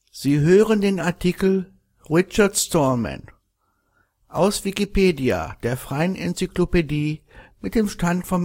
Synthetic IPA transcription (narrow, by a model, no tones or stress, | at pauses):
z̥iːɦøːʁəndeːnaɐtʰikl̩ | ʁɪt͡ʃɐɐtstɔma̰n | ʔaʊsv̥ikipeːdia̰d̥eːɐfʁ̥aɪənɛnt͡syklopediː | mɪt̚d̥eːmʃtantfɔm